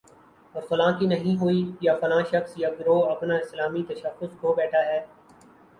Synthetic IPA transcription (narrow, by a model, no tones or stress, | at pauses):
ɔːɾfɐlãːkinɐɦĩɦoːijafɐlãːʃɐxsjaːɡɪɾoːɐpnaɪslaːmit̪ɐʃəxːʊskobɛːʈʰaːɦɛː